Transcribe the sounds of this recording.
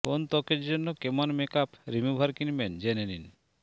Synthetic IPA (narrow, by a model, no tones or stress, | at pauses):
kont̪ɔkeɾd͡ʒonːokemɔnmekapɾimubʱaɾkinmend͡ʒenenin